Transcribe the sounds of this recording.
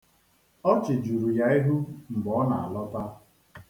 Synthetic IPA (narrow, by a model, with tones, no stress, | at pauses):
ɔ˦t͡ʃɪ˨d͡ʒu˨ɾu˨ja˦i˦ɦu˦ŋ͡m̩˨ɡ͡bɔ˨˦na̰˨a̰˨lɔ˦ta˦